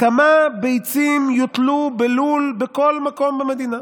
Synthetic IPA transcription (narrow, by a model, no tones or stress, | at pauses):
kamabejt͡simjot̪lubelulbeko̞lmako̞mbeme̞d̪ina